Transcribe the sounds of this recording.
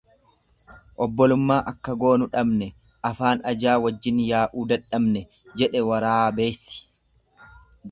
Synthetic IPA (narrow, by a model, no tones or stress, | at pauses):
ʔɔbːɔlʊmːaːʔɐkːɐɡo̞ːnʊᶑɐbnɛ | ɐfaːnɐd͡ʒaːwɐd͡ʒːɪnjaːʔuːd̪ɐᶑɐmnɛ | d͡ʒɛᶑɛwɐɾaːbe̞ːsːɪ̥